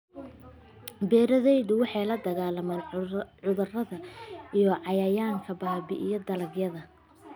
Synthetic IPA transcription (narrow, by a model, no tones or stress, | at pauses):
bɛːɾɐðɛjðʊwɑħɑjlɐd̪ɐɣaːlɐmaːnʕʊðɐrɐðɐʔijɔʕɑjɐːjaːŋkʰɐbaːbɪʔijɔd̪ɐlɐɡjɐðɐ